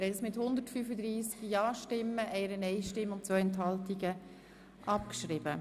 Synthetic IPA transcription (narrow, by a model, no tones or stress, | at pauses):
ɾɛsmɪthʊnd̪ətfyːfəd̪ɾiːskjɑːʃtɪmːəʔɛɪɾənɛɪʃtɪmːʊntt͡sʋœʏɛntɦɑltiɡə | ʔɑpkʃɾɪb̥ə